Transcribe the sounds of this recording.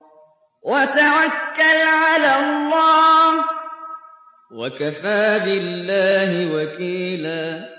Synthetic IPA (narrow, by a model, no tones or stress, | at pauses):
wat̪awakːalʕalalˤːɑː | wakafaːbɪlːaːhɪwakiːlaː